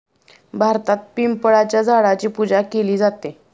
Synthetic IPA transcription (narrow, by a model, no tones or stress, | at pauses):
bʱaɾt̪at̪̚pimpəɭat͡ɕjad͡zʱaɽat͡ɕiːpud͡ʑakeliːd͡zat̪e